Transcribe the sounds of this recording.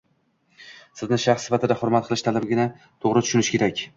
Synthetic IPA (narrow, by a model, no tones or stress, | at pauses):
sɪznɪʃaχsɪ̥fat̪ɪd̪aχʊɾmat̪̚qʰɨlˠɪʃt̪ʰalɪbɡʲɪna | t̪ʰoʁɾɪt̪ʰʊ̥ʃʊnɪʃkʲʰe̞ɾakʲ